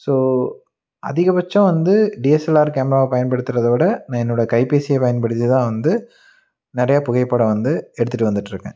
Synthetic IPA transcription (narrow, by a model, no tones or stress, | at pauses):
soː | ʔɐ̰ðɪɣɐpɐt͡ʃːɐ̃ʋɐnd̪ɯɖiːɛsɛlaːɾkaːmɾaːɐpɐjɐnpɐɽɯt̪ːɪɾɐðoːɽɐnãːɛnːoːɽɐkɐɪpeːsɪjɐpɐjɐnpɐɽɯt̪ːit̪ãːʋɐnd̪ɯ | nɪɾɐjaːpʊɣɐɪpːɐːɽɐ̃ʋɐnd̪ɯɛɽɯt̪ːɯʈːɯʋɐnd̪ɯʈːɪɾɯkːḛ̃ː